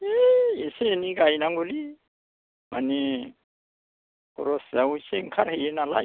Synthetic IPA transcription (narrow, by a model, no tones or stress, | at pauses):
eeseniɡajnaŋɡuli | ma̰ni | kṵɾoszawuseŋkʰaɾhejenala̰